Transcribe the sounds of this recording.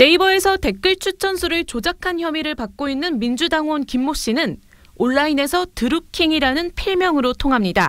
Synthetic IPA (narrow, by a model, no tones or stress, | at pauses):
ne̞ibʌe̞sʰʌte̞k͈ɯɭt͡ɕʰut͡ɕʰʌnsʰuɾɯɭt͡ɕod͡ʑakʰançjʌmiɾɯɭpak̚k͈oinːɯnmind͡ʑudaŋonkimːoɕ͈inɯn | oɭːaine̞sʰʌtɯɾukʰiŋiɾanɯnpʰiɭmjʌŋɯɾotʰoŋɦamɲida